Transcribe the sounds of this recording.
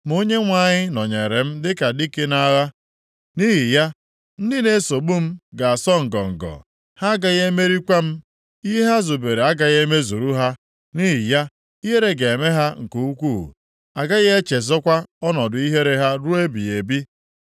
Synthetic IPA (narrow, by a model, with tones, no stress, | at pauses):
mo˦ɲe˦ŋʷa˦˨ɲɪ˦nɔ˨ɲe˨ɾe˨m̩˦dɪ˦ka˨di˦ke˦na˦ɣa˦ | ni˦ɦi˨ja˦ | n̩˦dɪ˦ne˨˦so˨ɡ͡bu˦m̩˦ɡa˨a˨sɔ˦ŋ̩˨ɡɔ̰˨ŋ̩˨ɡɔ̰˨ | ha˦ɡa˦ɣe˦me˦ɾi˦kʷa˦m̩˦ | i˦ɦa˦zuo˨be˨ɾe˨a˦ɡa˨ɣe˦me˦zu˨ɾu˦ɦa˦ | ni˦ɦi˨ja˦ | i˦ɦe˦ɾe˦ɡe˨e˨me˦ɦa˦ŋ̩˨ko˨u˦kʷṵ˦˨ | a˨ɡa˦ɣe˦e˦t͡ʃe˨zɔ˦kʷa˦ɔ˦nɔ˨dʊ˨i˦ɦe˦ɾe˦ɦa˦ɾu˦e˦bḭ˨e˨bi˦